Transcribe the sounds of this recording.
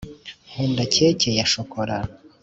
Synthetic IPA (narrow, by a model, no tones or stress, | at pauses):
huːndacecejaʃokʰoɾa